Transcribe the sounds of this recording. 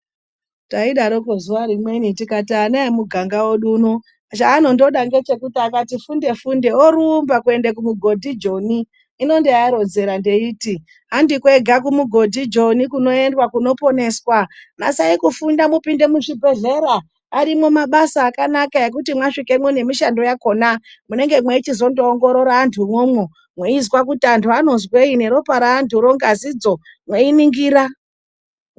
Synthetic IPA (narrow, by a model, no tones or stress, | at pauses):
taiɗaɾokozuʋaɾimwe̞nitikatanaimuɡʱaŋɡawoɗuːno | t͡ʃaːno̞ndo̞ɗaŋɡe̞t͡ʃe̞kutiakatifunde̞funde̞oɾuːmbakue̞ndekumuɡʱo̞dʱid͡ʒo̞niː | no̞ndejaɾo̞nze̞ɾandeiːti | ɦandikwe̞ɡʱakumuɡʱo̞dʱid͡ʒo̞nikuno̞e̞ndwakuno̞po̞ne̞ːswama̰saikufundamupinde̞muʐibʱe̞ɮe̞ɾaː | ɾimomaɓasaːkanakae̞k̬utimwaʂikemwene̞miʃando̞jako̞namune̞ŋɡe̞mwet͡ʃizo̞ndoːŋɡo̞ɾo̞ɾaːntʰumwomwo | mweizwak̬utiantʰuano̞zwe̞ine̞ɾo̞paɾaːntʰuɾo̞ŋɡazid͡zo̞ | mweiniŋɡiːɾa